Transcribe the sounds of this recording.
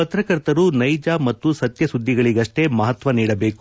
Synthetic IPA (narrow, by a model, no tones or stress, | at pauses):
ɐt̪ɾɐkɐɾt̪ɐɾunɐjd͡ʒaːmɐt̪ːusɐt̪jɐsud̪ʱːiɡɐɭiɡɐʂʈe̞mɐɦɐt̪ʋɐniːɽɐbe̞ːku